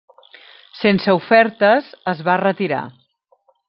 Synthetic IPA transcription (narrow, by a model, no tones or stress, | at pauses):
sensəufɛɾt̪əzəzβarət̪iɾa̰